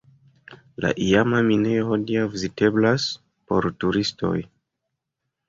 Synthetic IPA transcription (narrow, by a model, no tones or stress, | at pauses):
la̰ʔiamamineohodiavizite̞blas | po̞ɾtuɾisto̞̰j